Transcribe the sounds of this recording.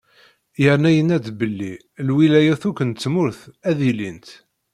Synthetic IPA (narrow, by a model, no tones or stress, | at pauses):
jəɾnæjənæd̪bəlːi | lwilæjæθukʷːənt͡sːmʊɾθæðilint̪